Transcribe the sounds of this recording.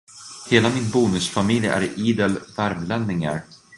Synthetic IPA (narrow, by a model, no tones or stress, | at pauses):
heːlamɪnbuːnɵsfamɪljæ̰ɾiːd̪ɛlvæɾmlɛnːɪŋa̰ɾ